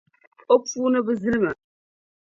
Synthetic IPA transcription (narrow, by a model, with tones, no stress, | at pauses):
o˦p͡fuː˦nə˦bə˦zɨ˦lmə˨